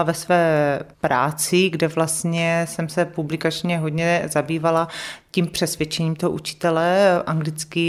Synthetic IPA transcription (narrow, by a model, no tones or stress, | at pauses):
avɛsvɛːpɾa̰ːt͡sɪɡdɛvlast̪ɲɛsɛmsɛpublɪkat͡ʃɲɛɦod̪ɲɛzabiːvalaciːmpr̥ɛsvjɛt͡ʃɛɲiːmt̪oɦoʔut͡ʃɪ̥t̪ɛlɛʔaŋɡlɪt͡skɪ